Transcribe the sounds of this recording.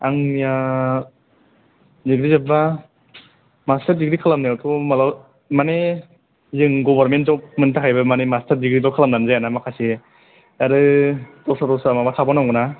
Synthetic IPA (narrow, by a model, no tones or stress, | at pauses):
aŋmija | diɡɾizaba | mastʰaɾdiɡɾikʰalamnaatʰɔmalaw | mane | zɯŋɡɔbaɾmenzɔwp̚mɯntʰakʰajbamanemastʰaɾdiɡɾidɔkʰalamnanzajanamakʰase | aɾɯtɔsʰatɔsamabatʰabanamɡɯna